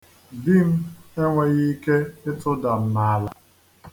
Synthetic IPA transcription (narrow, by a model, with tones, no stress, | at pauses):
dɪ˦m̩˦e˦ŋʷe˨ɣi˦ke˦ɪ˦tʊ˦da˨m̩˨na˨a˦la˨